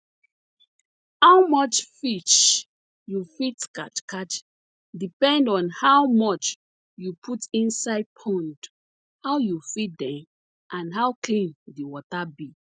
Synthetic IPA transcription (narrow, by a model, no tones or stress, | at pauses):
haʊmɔt͡ʃfit͡ʃ | jufitkat͡ʃkat͡ʃ | dipɛ̃ndɔ̃nhawmɔt͡ʃ | jupʰutĩnsaɪd̚pʰɔ̃nd | hawjufit̚dɛ̃m | ʔãnɦawklĩndiwɔtabi